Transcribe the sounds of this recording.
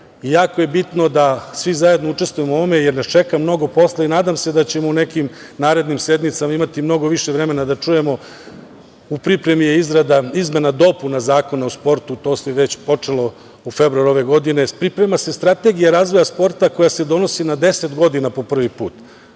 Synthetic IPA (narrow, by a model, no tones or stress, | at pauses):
ijaːkoje̞bit̪no̞d̪asʋizaje̞d̪nout͡ʂe̞st̪ʋujemooʋome̞jeɾnast͡ʃe̞kamno̞ɡo̞po̞sleinaːd̪amse̞d̪at͡ɕemoune̞kim | naːɾe̞d̪nimse̞d̪nit̪samaimat̪imno̞ɡo̞ʋiʃeʋɾeme̞nad̪at͡ʂuje̞mo̞ | upɾipɾe̞mijeizɾad̪aizme̞nad̪o̞punazaːko̞nauspo̞ɾt̪ut̪o̞ːseʋet͡ɕpo̞t͡ʂelo̞ | ufebɾuaɾuo̞ʋe̞ɡo̞d̪ine̞pɾipɾe̞mase̞st̪ɾat̪e̞ɡijaɾaːzʋo̞jaspo̞ɾt̪ako̞jase̞d̪o̞no̞sinad̪e̞set̪ɡo̞d̪inapo̞pr̩ʋipuːt̪